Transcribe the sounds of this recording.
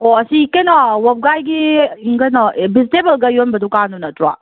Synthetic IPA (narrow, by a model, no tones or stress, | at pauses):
oɐsikɐjnɔwɐp̚ɡajɡiiŋkɐjnɔbistebɐlɡɐjonbɐdukanunɐtuɾa̰